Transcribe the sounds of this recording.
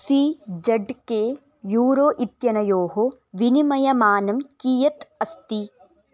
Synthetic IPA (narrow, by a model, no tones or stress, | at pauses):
sid͡ʒɐɖkeː | juːɾoːʔit̪jɐnɐjoːɦo | ʋinimɐjɐmaːnɐmkiːjɐt̪ɐst̪i